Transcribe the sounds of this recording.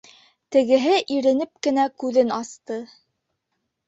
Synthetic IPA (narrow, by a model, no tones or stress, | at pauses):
t̪ɘ̆ɡɘ̆ɦɘʔiɾɘ̆nɘp̚kɘ̆nækʉðɘnɑst̪ɤ